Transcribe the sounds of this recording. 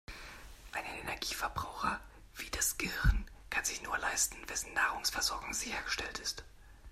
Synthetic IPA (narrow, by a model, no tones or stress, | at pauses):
ʔaɪnənɛnɛɐɡiːfɛɐbʁaʊxɐ | v̥iːd̥asɡ̥əhɪʁnkʰanzɪçnuːɐlaɪstn̩vɛsn̩nːaːʁʊŋsfɛɐzɔɐɡʊŋz̥ɪçɐɡəʃtɛltɪst